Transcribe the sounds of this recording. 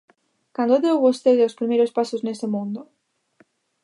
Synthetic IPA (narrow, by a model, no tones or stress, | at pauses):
kand̪ooðeowβost̪eðospɾimejɾospasoznesemũnd̪o